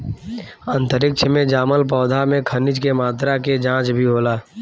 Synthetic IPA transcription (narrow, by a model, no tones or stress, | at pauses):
ə̃nt̪əɾɪk̚t͡ʃʰəmẽd͡ʒaːməlp̬ɔːd̪ʱamẽkʰənɪd͡ʒkemaːt̪ɾaked͡ʒãːt͡ʃbʱiɦoːlaː